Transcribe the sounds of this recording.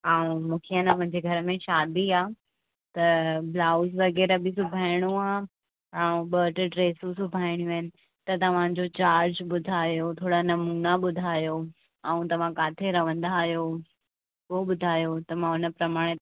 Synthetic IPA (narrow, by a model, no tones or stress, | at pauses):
aːũmũːkʰenəmʊ̃ɦɪ̃ɲd͡ʑeɡʱɐɾəmẽʃaːd̪ʱiaː | t̪ɐblaːʊsʋɐɡɛːɾəbʱɪsʊbʱaːɪɽ̃ũaː | aːũɓəːʈʈɾeːsũsʊbʱaːɪɽ̃jũɐnɪ̆ | t̪ɐt̪ɐʋ̤ãd͡ʑot͡ɕaːɾd͡ʑɓʊd̪ʱaːjot̪ʰoːɽanɐmuːnaɓʊd̪ʱaːjo | aũt̪ɐʋ̤ãkaːt̪ʰeɾɐʋə̃nd̪aːɦijo | koɓʊd̪ʱaːjot̪ɐmãʊnə̆pɾɐmaːɽ̃